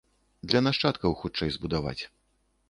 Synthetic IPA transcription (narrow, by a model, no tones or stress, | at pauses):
d̪lʲɐnaʂt͡ʂat̪kɐwxut͡ʂɛjzbud̪ava̰t͡sʲ